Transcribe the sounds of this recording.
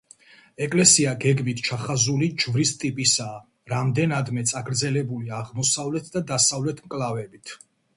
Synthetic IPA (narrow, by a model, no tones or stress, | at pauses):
ɛkʼlɛsiaɡɛɡmit̪ʰt͡ʃʰaχazulid͡ʒvɾist̪ʼipʼisaː | ɾamd̪ɛnad̪mɛt̪sʼaɡɾd̪zɛlɛbuliaʁmɔsavlɛt̪ʰd̪ad̪asavlɛt̪ʰmkʼlavɛbit̪ʰ